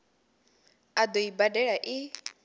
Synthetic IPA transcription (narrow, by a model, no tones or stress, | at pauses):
ad̪oibadɛɺaʔi